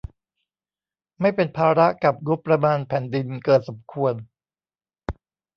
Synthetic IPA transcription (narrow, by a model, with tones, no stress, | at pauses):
ma˥˩jpe˧npʰaː˧ɾa˦˥ʔka˨˩p̚ɡo˦˥pːɾa˧maː˧npʰɛː˩˦ndi˧nkɤː˨˩t̪̚so˩˦mkʰu˧ən